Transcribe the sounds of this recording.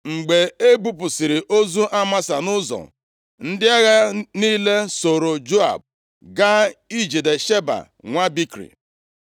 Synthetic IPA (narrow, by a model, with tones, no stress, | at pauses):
ŋ͡m̩˨ɡ͡be˨e˦bu˦p̬ʊ˨sɪ˨ɾɪ˨ʔo˦zu˦ʔa˦ma˦sa˨nʊ˦zɔ̰˨ | n̩˦dɪ˦a˦ɣa˦niː˦le˦so˨ɾo˨d͡ʒo˦a̰˨b̚ | ɡa˦i˦d͡ʒe˨de˨ʃe˦ba̰˨ | ŋʷa˦bi˦kɾḭ˨